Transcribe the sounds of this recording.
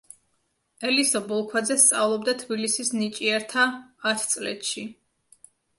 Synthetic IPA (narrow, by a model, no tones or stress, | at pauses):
ɛlisɔbɔlˠkʰwad̪zɛst̪sʼavlˠɔbd̪at̪ʰbilisisnit͡ʃʼiɛɾt̪ʰaːt̪ʰt̪sʼlɛ̰t̪ʃi